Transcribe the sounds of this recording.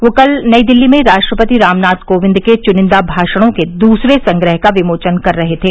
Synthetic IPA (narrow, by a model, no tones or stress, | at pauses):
ʋoːkɐlnɐid̪ɪlːimẽɾaːʃʈɾəpət̪iɾaːmnaːt̪koːʋɪ̃nd̪ket͡ʃʊnɪ̃nd̪abʱaːʃəɽ̃õked̪uːsɾesɐ̃ŋɡɾəɦkaʋɪmoːt͡ʃənkɐɾːɐɦet̪ʰeː